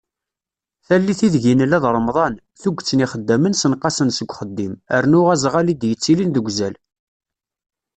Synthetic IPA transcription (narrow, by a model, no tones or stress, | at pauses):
θælːiθiðʝinəlæðɾˤəmðˤɑn | θuɡʷt͡sːəniχəd̪ːæmənsənqɑsənsəɡʷχəd̪ːiməɾnʊʁæzʁælid̪jət͡sːilinðəɡʷzæl